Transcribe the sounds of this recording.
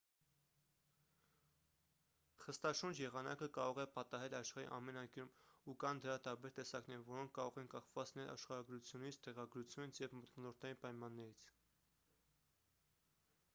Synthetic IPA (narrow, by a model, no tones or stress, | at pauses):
χəst̪ɑʃund͡ʒjɛʁɑnɑ̰kəkɑɾɔʁɛpɑt̪ɑɦɛlɑʃχɑɾḭʔɑ̰mɛnɑjkuɾumukɑnd̪əɾɑt̪ɑɾbɛɾt̪ɛsɑknɛɾəvɔɾɔŋkʰkɑɾɔʁɛnkɑχvɑt͡s̪inɛlɑ̰ʃχɑɾɑɡɾut͡sʰjunit͡sʰt̪ɛʁɑɡɾut͡sʰjunit͡sʰjɛvmɔt̪nɔlɔɾt̪ʰɑinpɑjmɑnːɛɾit͡sʰ